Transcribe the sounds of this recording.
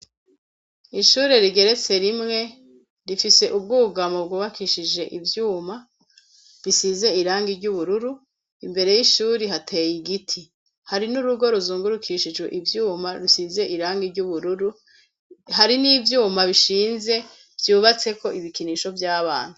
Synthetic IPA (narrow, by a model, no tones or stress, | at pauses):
iʃuːɾeɾiɡeɾe̞t͡se̞ɾimŋe̞ | ɾifise̞ʔub̚ɡuːɡamobɡuβakʰiʃid͡ʒe̞ʔivjuːma | ɾisize̞iɾaːŋɡiɾɟuβuɾuɾu | imbe̞ɾe̞jiʃuːɾiɦatʰe̞ːjiɡitʰi | haɾinuɾuɡo̞ɾuzuːŋɡuɾukʰiʃid͡ʒɡwḛʔivjuːmaɾusize̞ʔiɾaːŋɡiɾɟuβuɾuɾu | ɦaɾiniːvjuːmaβiʃiːnze̞ | v̥juːβat͡se̞ko̞ʔiβikiniʃo̞vjaːβaːn̥hu